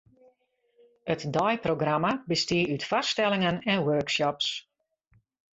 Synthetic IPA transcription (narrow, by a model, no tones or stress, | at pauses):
ətdɔjproɡramabəstiəytfasstɛlɪŋənɛnwøːkʃɔps